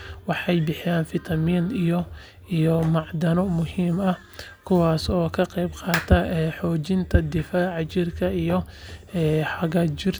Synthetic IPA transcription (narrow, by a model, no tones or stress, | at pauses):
wɑħɑjbɪħɪjaːnfɪt̪ʰɐmiːnijɔ | ijɔmɑʕd̪ɐnɔmʊhiːmɐ | kʰʊwɑːsɔːkʰɐqɛjbqɑːt̪ʰɐħɔːt͡ʃɪnt̪ʰɐd̪ɪfaːʕt͡ʃɪrkʰɐijɔɛːħɑɣɐt͡ʃɪr